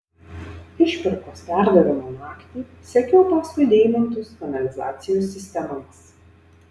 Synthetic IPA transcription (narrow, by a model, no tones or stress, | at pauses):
ɪʃʲpʲɪɾkoːspʲæˑɾd̪ɐʋʲɪmoːnɑːkʲt̪ʲiː | sʲɛkʲoːpɐskʊɪd̪ʲeːɪmʲɐnʲt̪ʲʊskʲɐnɐlʲɪzɑ̰ːt̪sʲɪjuːsʲːɪsʲt̪ʲɛmɐms